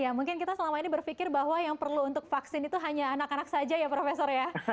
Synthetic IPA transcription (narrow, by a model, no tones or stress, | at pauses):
jamuŋkɪnkit̪asəlamainibərfikɪrbaɦwajaŋpərluːnt̪ʊk̚faksɪnit̪uɦaɲaːnakanaksad͡ʒajapɾofesɔrja